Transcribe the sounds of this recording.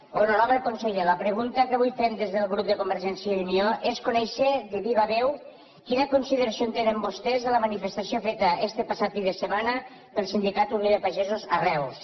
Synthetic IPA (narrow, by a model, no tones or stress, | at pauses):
ononɔβɾekonseʎeləpɾəɣunt̪əkəaβujfemd̪ezðəlˠɣɾup̚d̪əkumbəɾʒɛnsiəunioʔeskunɛʃəd̪eβiβaβɛw | kinəkunsiðəɾasiont̪enembost̪ɛzðələmanifest̪asiofet̪əɛst̪epasat̪fidðəsəmanə | pəlˠsind̪ikat̪unjoðepaʒɛzuzarɛws